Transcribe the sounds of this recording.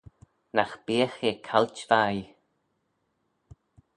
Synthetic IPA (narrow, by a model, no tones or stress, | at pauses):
naxb̥iːəxekʰalt͡ʃvaj